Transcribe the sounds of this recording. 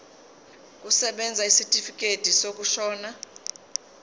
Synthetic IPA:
kʼusɛɓɛnd͡zʱaisitʼifikʼed̥ʱisok̬ʼuʃɔːna

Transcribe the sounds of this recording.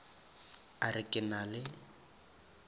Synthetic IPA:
arɪkʼɪnalɪ

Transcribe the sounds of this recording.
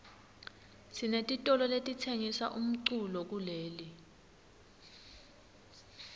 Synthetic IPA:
sinetʼitʼɔlɔletʼitʰeŋisa̰ʔum̩ǀulɔk̬uleːli

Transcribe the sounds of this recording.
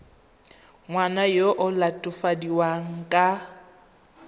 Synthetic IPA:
ŋwanajoʔʊlatʼʊfadiwaŋ̩kʼa

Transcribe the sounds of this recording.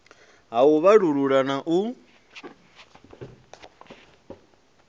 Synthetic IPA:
ɦauβaɺuɺuɺanaʔu

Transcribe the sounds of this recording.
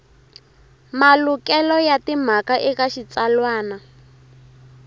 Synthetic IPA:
malukɛlɔjatim̤akaʔikaʃit͡salwaːna

